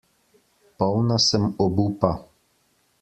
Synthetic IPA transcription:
pɔwnasəmɔbupa

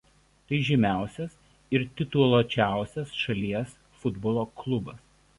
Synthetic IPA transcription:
t̪ɐɪʒʲɪmʲæˑʊsʲɛs | ɪɾt̪ʲɪt̪uɔlˠoːt͡ʃʲæˑʊsʲɛsʃɐlʲiɛs | fʊd̪boːlˠoːklˠʊbɐs

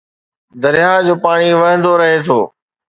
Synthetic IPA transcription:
d̪ɐɾɪjaːd͡ʑoːpaːɽ̃iʋɐɦə̃nd̪oːɾɐɦeːt̪ʰoː

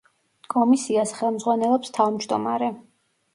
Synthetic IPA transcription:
kʼɔmisiasχɛlˠmd̪zʁwanɛlˠɔpst̪ʰavmd͡ʒd̪ɔmaɾɛ

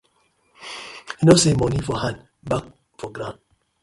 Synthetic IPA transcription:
inosemɔnifɔhãn | bak̚ | fɔɡɾãn

